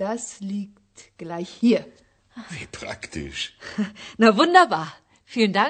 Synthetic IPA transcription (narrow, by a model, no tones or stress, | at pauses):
d̥asliːktɡ̥laɪçhiːɐ | vipʁ̥a̰ktʰɪ̰ʃ | navʊndɐbaːɐ | fiːlənda